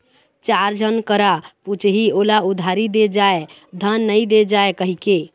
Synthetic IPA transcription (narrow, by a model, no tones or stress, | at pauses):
t͡ʃaɾd͡ʒʱənkəɾaput͡ʃʰɦiolaud̪ʱaɾid̪ed͡ʒae | d̪ʱənːəjd̪ed͡ʒaekəɦike